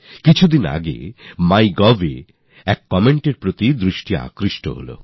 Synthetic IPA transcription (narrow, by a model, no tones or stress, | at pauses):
kit͡ɕʰud̪ina̰ɡḛmajɡɔbḛ | ɛkːɔmeɳʈeɾpɾot̪id̪ɾiʃʈijaa̰kɾiʃʈo̰ɦo̰lo̰